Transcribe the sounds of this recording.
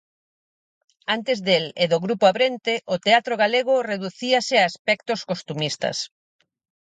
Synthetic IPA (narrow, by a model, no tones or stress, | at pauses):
ant̪ezðeleðʊɣɾupoaβɾent̪eʔot̪eat̪ɾoɣaleɣ̞ʊreðuθiasɪaespɛkt̪oskost̪umist̪ɐ̰s